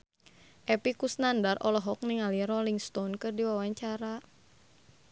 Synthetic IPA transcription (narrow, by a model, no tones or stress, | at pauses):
ʔɛpikusnandarʔɔlɔɦɔk̚niŋaliɾɔliŋst̪ɔnkɨrdiwawaɲt͡ʃaɾa